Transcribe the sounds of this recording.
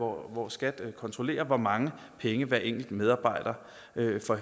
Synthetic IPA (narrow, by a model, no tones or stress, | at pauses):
ɒʋɒsːɡ̥æd̥kʰɒ̽nt͡sʰʁo̝le̝̰ːɐʋɒmɑ̈ŋə | pʰeŋəʋæɐʔeŋ̰ɡ̥l̩d̥með̞ˠɑ̈ːb̥ɑ̈ɪ̰d̥ɐ | øfɒ̽